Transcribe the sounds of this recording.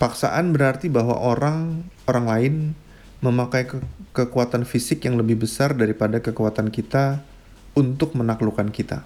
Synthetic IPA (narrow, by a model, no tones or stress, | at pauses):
paksa̰ʔanbəɾart̪ibaɦwa̰ʔoɾaŋoɾaŋlaɪn | məmakajkkəkuat̪anfisɪkjaŋləbɪhbəsardaɾipadakəkuat̪ankit̪a | unt̪ʊk̚mənaklukankit̪a̰